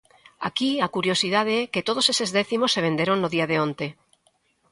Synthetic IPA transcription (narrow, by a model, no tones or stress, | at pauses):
a̰kiakuɾjosið̞að̞eɛket̪oð̞osesezðɛθimosːeβend̪eɾoŋnoðiaðeont̪e